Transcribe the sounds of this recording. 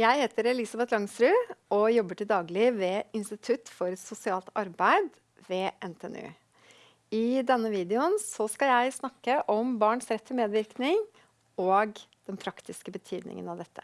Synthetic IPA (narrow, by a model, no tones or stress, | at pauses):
jæɪheːt̪əɾɛlɪsɑbɛt̪lɑŋst̪ɾʉːɔjɔbːəʈɪld̪ɑːɡlɪʋɛːɪnst̪ɪt̪ʰʉt̪ːfɔɾsʊsɪɑːlt̪ɑɾbæɪd̪ | ʋeːʔɛnt̪ʰɛɛnʉ̰ː | ɪd̪ɛnːəʋiːd̪ɛʊnsɔskɑjæɪsnɑkːəʔɔmbɑːɳsɾɛt̪ːfɪmeːd̪ʋɪɾknɪŋ | oːɡd̪̥ɛnpʰɾɑkt̪ɪskəbət̪ʰyːd̪nɪ̰ŋə̰nɑʋd̪ɛt̪ːə̥